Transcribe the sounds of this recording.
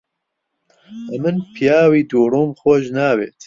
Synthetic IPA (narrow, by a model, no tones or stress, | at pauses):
ʔɐmɨnpʰijaːwiːd̪uːɾuːmxoʒnaːwḛːt̪